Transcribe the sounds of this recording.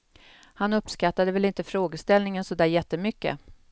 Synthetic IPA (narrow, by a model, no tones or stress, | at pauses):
hanɵpːskat̪ːad̪əvɛlɪnt̪əfɾoːɡəst̪ɛlnɪŋənsɔd̪æːɾjɛt̪ːəmʏkːə̰